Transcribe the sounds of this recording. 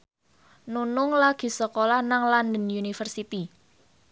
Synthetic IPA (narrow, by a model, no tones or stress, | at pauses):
nunʊŋlaɡ̥i̤səkolahnaŋland̪ənjunifərsit̪i